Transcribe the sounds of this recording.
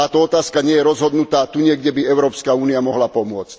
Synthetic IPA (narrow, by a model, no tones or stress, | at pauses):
aːt̪ɔɔt̪aːskaɲɪɛjɛɾɔzɦɔd̪nut̪aːt̪uɲɪɛɡɟɛbiɛʊɾɔːpskauːniamɔɦlapɔmʊɔt͡sc